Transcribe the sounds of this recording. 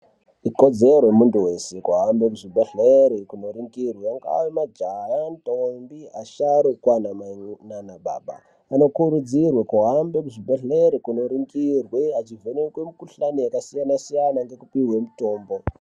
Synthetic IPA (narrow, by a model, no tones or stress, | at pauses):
iko̞d͡ze̞rwemuntuwe̞se̞kuɦambekuʐibʱaɮeɾikuno̞ɾiŋɡirweaŋɡa̰wemad͡ʒajantombiaʃaɾokwanamananaɓa̰ːɓa̰ | ano̞kuɾud͡zirwekuɦambekuʐibʱaɮeɾikuno̞ɾiŋɡirweat͡ʃivʱonekwe̞mukuɬanijakasijanasijanaŋɡe̞kupiwe̞muto̞ːmbo̞